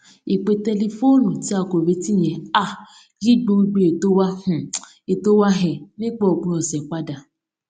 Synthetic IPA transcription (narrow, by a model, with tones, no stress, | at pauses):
i˨k͡pe˧tɛ˧le˧fo˦nũ˨ti˨˦a˧ko˨ɾe˨˦ti˦˨j̃ɛ̃˨a˦˨ | ɡi˦ɡ͡bo˧˦˧ɡ͡be˧e˨to˦wa˦hũ˨ | e˨to˦wa˦ɦɛ̃˨mẽ˦k͡pɔ˦˨o˨ɡ͡bũ˧˦ɔ˨sɛ˨k͡pa˦da˨